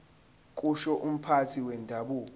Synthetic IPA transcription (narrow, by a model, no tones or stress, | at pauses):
kʼuʃɔʔum̩pʰatʰiwɛndʱaɓuːk̬ɔ